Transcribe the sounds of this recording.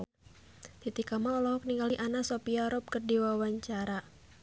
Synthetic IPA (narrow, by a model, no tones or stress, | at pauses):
t̪it̪ikamaɔlɔɦɔk̚niŋɡaliʔanasɔpiaɾɔp̚kərdiwawaɲt͡ʃaɾa